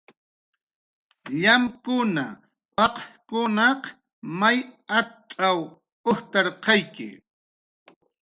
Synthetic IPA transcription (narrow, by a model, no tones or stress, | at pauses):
ʎamkʊna | pɑqkʊnɑq | majat͡ʃʼaw | ʊht̪ɑɾqɑjkɪ̰